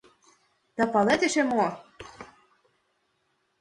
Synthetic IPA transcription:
d̪ɑpɑlet̪eʃemo

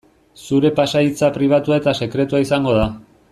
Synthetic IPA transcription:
suɾe̞pasait͡sapɾiβ̞at̪uae̞t̪ase̞kɾe̞t̪uaisaŋɡo̞ð̞a

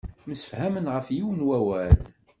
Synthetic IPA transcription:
məsə̥fhæmənʁəfjiwənwæwæl

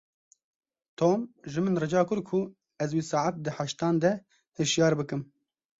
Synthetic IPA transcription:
t̪ʰoːmʒɨmɨnrɨd͡ʒɑːkʰʊɾkʰu | ɛzwiːsɑːʕat̪̚d̪ɨħaʃt̪ɑːnd̪ɛ | hɨʃjɑːɾbɨkɨm

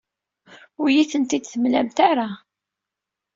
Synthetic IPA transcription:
ʊɾjiθənt̪id̪θəmlæmt̪aɾa

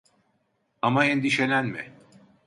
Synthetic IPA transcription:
amaɛnd̪iʃenænmɪ̰

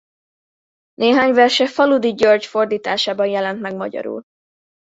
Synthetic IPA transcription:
neːɦaːɲvɛrʃɛfɒlud̪iɟørd͡ʒfo̞rd̪iːt̪aːʃaːbɒnjɛlɛnt̪mɛɡmɒ̰ɟɒ̰ɾṵl

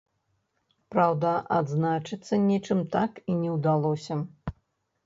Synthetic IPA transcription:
pɾawd̪ɐʔad̪znat͡ʂɨt̪sːɐnʲɛt͡ʂɨmt̪akinʲɛwd̪alˠɔsʲɐ

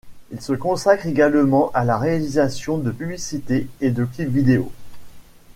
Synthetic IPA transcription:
ilsəkɔ̃sakχeɡalmɑ̃ʔalaʁealizasjɔ̃d̪əpyblisit̪eːd̪əklipvid̪eo̰

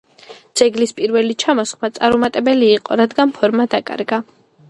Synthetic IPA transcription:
d̪z̥ɛɡlispʼiɾvɛlit͡ʃʰamɔsχmat̪sʼaɾumat̪ʼɛbɛliːqʼɔɾad̪ɡanpʰɔɾmad̪akʼa̰ɾɡa

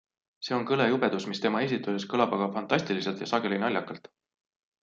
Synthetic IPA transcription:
se̞o̞nkɤle̞jub̥e̞d̪̥usmist̪e̞mɑe̞s̬ʲit̪ːˑuse̞skɤlɑbɑɡ̥ɑfɑnt̪ːˑɑsʲt̪ilise̞lt̪jɑsɑɡ̥e̞linɑlʲjɑkːɑlt̪ˑ

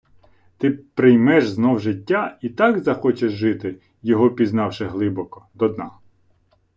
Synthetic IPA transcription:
t̪ɪpɾɪjmɛʒznɔwʒɪtʲːait̪ɑɡzɐxɔt͡ʃeʒːɪt̪ɪ | jɔɦɔpʲiznɑwʃɪɦlˠɪbɔkɔ̥d̪ɔd̪nɑ

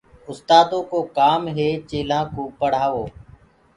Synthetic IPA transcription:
ʊst̪aːd̪õːkoːkaːmɦeːt͡ʃeːlãːkoːpəɽ̤aːʋoː

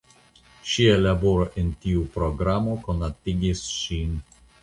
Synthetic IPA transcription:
ʃielaboɾoʔentiupɾo̞ɡɾamo̞konat̪iɡisʃin

